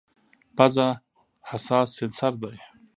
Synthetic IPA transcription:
paza | hasɑːsːɪnsaɾd̪aj

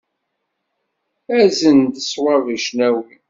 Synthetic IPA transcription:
æzənd̪əswɑviʃnæwi

